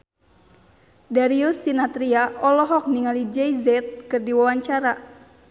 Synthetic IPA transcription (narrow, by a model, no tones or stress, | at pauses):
daɾiusːinat̪ɾiaɔlɔɦɔk̚niŋalid͡ʒɛjzɛt̪̚kɨrdiwawaɲt͡ʃaɾa